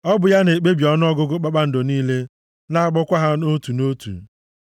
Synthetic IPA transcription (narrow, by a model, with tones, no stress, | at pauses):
ɔ˦bʊ˨ja˦ne˨k͡pe˦bjɔ˨nʊ˦ɔ˦ɡʊ˦ɡʊ˦k͡pa˦k͡pa˦n̩˨do˨niː˦le˦ | na˦a˦˨k͡pɔ˦kʷa˦ɦa˦no˦tu˨no˦tṵ˨